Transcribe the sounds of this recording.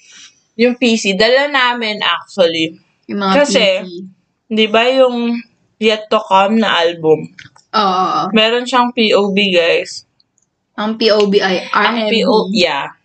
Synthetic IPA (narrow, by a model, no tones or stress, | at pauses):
jʊŋpiːsid̪ɐlanaːmɪnʔa̰k̚t̪ʊɐli | jʊmɐŋkɐsɛ | hɪnd̪ibɐjʊŋ | pjɛt̪ːokamnɐʔalbʊm | ʔoʔomɛːɾo̞nʃɐŋpiːʔowbiɡajs | ʔɐŋpiʔowbiʔajʔɐŋpiʔoja